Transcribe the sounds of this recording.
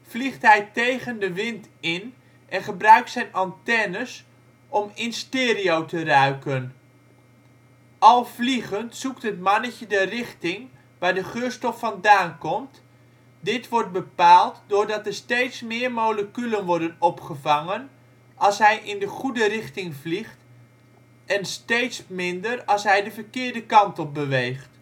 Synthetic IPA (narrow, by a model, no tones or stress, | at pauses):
vliχtɦɛjtejχəndəʋɪntɪn | ʔɛnχəbrœɥk̚tsɛjnɑntɛnəs | ɔmɪnstɪːriowtərœɥkən | ʔɑlˠvliχəntsuktɦətmɑnəcədərɪχtɪŋ | ʋaːɹdəχøːɹstɔfːɑndaːnkɔmt | dɪtʋɔɹt̚bəpaːlˠtdʊːɹdɑtəɹstejtsmɪːɹmowləkylənʋɔɹdənɔpχəvɑŋən | ʔɑlˠsɦɛjʔɪndəχudərɪχtɪŋvliχt | ɛnstejtsmɪndərɑlˠsɦɛjdəvəɹkɪːɹdəkɑntɔbəʋejχt